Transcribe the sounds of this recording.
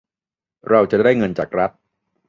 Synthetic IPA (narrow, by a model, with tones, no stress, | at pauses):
ɾa˧wt͡ɕa˨˩daː˥˩jŋɤ˧nt͡ɕaː˨˩k̚ɾa˦˥t̪̚